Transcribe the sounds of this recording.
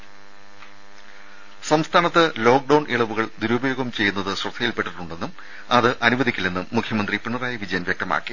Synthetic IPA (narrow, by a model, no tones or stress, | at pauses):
sɐmst̪ʰaːnɐt̪ːɨlo̞ːk̚ɖɐwɳiɭɐʋuɣɐɭd̪uɾubɐjo̞ːɡɐmt͡ɕe̞jːunːɐðɨɕrɐt̪ʰːɐjilpe̞ʈːiʈːuɳɖe̞nːum | ɐðɨʔɐnuʋɐd̪ikʲːilnenːumːukʰjɐmɐnd̪ripiɳːɐraːjɐʋid͡ʑɐjɐnʋjek̚t̪ɐma̰ːkːi